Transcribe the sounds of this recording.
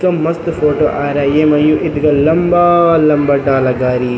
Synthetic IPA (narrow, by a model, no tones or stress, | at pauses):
kɐmːɐst̪fʰoːʈoʔaːɾajemɐjuʔit̪ɡɐlɐmbaːlɐmbɐɖaːlɐɡaːɾi